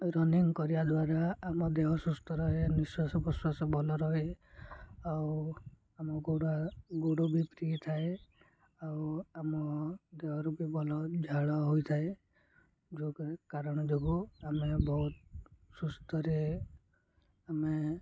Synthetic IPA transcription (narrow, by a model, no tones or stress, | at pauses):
ɾɔniŋkɔɾibad̪waɾaːmɔd̪eɦɔsust̪ʰɔɾɔɦeniswasɔpɔswasɔbɔlɔɾɔɦe | aw | amɔɡoɽaɡoɽobipɾit̪ʰae | awamɔd̪eɦɔɾupibɔlɔd͡ʒʱaɭɔɦojt̪ʰae | d͡ʒokekaɾɔɽ̃ɔd͡ʒoɡuamebɔɦut̪̚sust̪ʰɔɾe | ame